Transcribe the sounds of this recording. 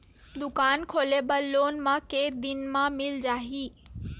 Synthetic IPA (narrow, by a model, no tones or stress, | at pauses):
d̪ʊkaːnkʰoːlebəlːoːnmãkeːd̪ɪnmãmɪld͡ʒaːɦiː